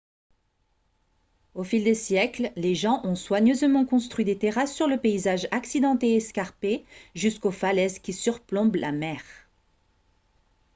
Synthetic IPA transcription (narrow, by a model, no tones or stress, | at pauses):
ofild̪esjɛklleʒɑ̃ʔɔ̃swaɲøzmɑ̃kɔ̃st̪χɥid̪et̪eʁasːyʁləpeizaʒaksid̪ɑ̃t̪eɛskaʁpeʒyskofalɛzkʲisyʁplɔ̃blʔa̰mɛʁ